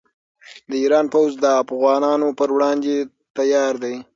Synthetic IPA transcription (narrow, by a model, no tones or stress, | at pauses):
d̪əiɾɑnpawzd̪əafɣɑnɑnopəɾwɽɑnd̪e | t̪ajɑɾd̪aj